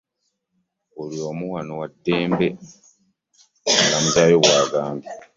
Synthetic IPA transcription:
ulio̞ːmuwanowadːeːmbe̞ | ŋɡamutajoβwaːɡaːmbi

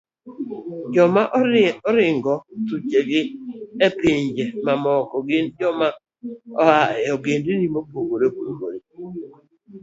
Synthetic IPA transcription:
d͡ʒɔmaʔɔɾɪŋɡɔtut͡ʃeɡɪepiɲd͡ʒemamɔkɔɡɪnd͡ʒɔma | ɔhaɔɡendinimopoɡoɾekuko̰ɾi

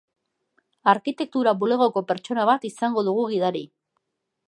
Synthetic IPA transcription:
aɾkit̪e̞k̚t̪uɾaβule̞ɣ̞o̞ko̞pe̞ɾt͡ʃo̞naβ̞at̪isaŋɡo̞ðuɣ̞uɣ̞iðaɾi

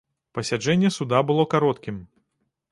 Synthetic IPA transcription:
pɐsʲad͡ʐɛnʲːɛsud̪abɨlˠɔkaɾɔt̪kʲim

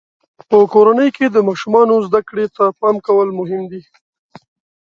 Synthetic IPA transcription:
pəkoɾanəjked̪əmɑʃumɑnozd̪akɽet̪apɑmkawəlmʊɦɪmd̪i

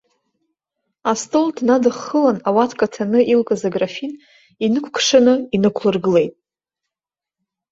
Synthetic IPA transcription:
astʼoldnadɨχːəlanawatʰkʼatʰanɨʔilkʼazaɡrafin | inɨkʷʰkʰʂanɨinɨkʷʰlɨrɡɨle̞jtʼ

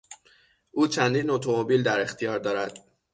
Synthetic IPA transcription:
ʔuːt͡ʃʰænd̪iːnot̪ʰomo̞biːld̪æɾe̞xt̪ʰijɒːɾd̪ɒːɾæd̪̥

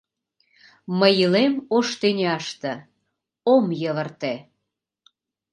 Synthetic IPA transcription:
məjəlemoʃt̪enʲeɑʃt̪ə̆ | omjəβərt̪e

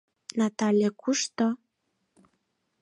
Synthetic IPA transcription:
nat̪alʲjekuʃt̪o

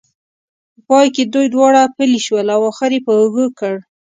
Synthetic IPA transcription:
pəpɑjked̪ujd̪wɑɽapəliʃwəlawaxɪɾepəəɣəkəɽ

